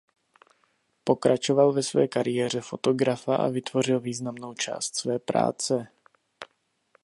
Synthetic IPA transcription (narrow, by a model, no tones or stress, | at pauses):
po̞kɾʔat͡ʃo̞valvɛsvɛ̰ːkaɾɪjɛːr̝ɛfo̞t̪o̞ɡɾafaʔa̰vɪt̪vo̞r̝ɪlviːznamno̞wt͡ʃa̰ːst̪svɛːpɾa̰ːt͡sɛ